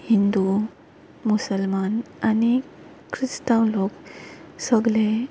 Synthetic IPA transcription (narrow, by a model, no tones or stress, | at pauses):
hind̪u | musəlmanani | kʰɾisʈ̪ãw̃loksəɡle